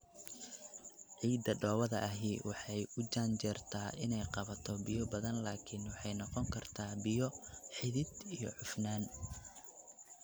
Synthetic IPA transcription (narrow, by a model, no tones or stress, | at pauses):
ʕiːd̪ɐɖɔːwɐðɐ̰ʔɐɦiːwʔɑħɑjʊd͡ʒaːnt͡ʃɛrt̪ʰaːʔɪnɛjqɑβɐt̪ʰɔbɪjɔbɐðɐnlaːkʰɪnwɑħɑjnɔqɔŋkʰɐrt̪ʰaːbɪjɔħɪðɪd̪ijɔ̰ʕʊfnaːn